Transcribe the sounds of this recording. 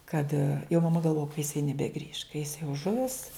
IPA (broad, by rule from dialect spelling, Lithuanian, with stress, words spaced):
kɐt jɛʊ mɐˈmɐ ɡɐlˠˈʋoːjɛ kɐ jɪˈsɐɪ nʲɛbʲɛˈɡrʲiːʃ kɐ jɪs jɛʊ ˈʒʊʋʲɪs